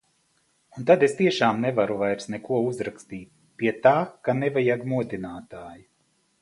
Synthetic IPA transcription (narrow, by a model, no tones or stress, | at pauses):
unt̪ad̪est̪iɛʃaːmnɛvaɾuvajɾsnɛkuɔuzɾakst̪iːt̪̚ | piɛt̪aːkanɛvajaɡmuɔd̪inaːt̪aːji